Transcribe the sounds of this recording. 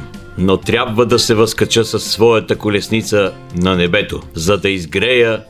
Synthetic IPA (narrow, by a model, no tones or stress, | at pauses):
not̪ɾʲabvəd̪ɐsɛvɐskɐt͡ʃəsɐsːvɔjɐt̪əkʊlɛsnit̪sə | nɐnɛbɛt̪ozɐd̪ɐizɡɾɛjə